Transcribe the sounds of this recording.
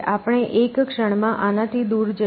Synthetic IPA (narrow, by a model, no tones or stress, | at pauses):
ʔapəɽ̃eʔekkʂəɳ̃mãʔanãt̪ʰid̪uɾd͡ʒə